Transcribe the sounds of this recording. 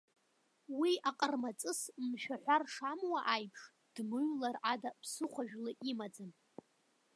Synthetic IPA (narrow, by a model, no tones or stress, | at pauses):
wiaqʼərmat͡sʼɨsmʃᶣaħʷᶣarʂamwaʔajpʰʂ | d̥mɨɥlarʔadapʰsɨχʷaʒᶣlɨʔimad͡zan